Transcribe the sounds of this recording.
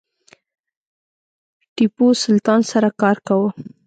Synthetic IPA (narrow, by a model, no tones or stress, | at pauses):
ʈiposʊlt̪ɑnsaɾakɑɾkawə